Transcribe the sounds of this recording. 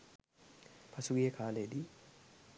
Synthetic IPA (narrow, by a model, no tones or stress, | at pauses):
pʰasuɡiekʰaːled̪i